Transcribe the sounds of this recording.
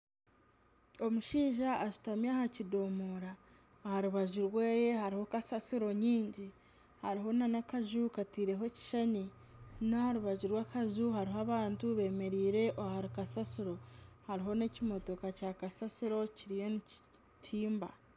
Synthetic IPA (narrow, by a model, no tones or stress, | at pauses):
o̞muʃiːʒaːʃu̥tamjaːhacido̞ːmoːɾaː | haɾuβaʒuɾweːje̞haɾiho̞kasasuɾo̞ɲiːɲɟi | haɾiɦo̞nanakaʒukatiːɾeɦo̞ci̥ʃaɲi | nahaɾuβaʒuɾwakaʒuhaɾiɦaβaːntuβe̞ːme̞ɾiːɾe̞ʔohaɾikasasuɾo̞haɾiɦo̞ne̞cimo̞to̞kacakasasiɾo̞ciɾijo̞nici | tʰiːmba̰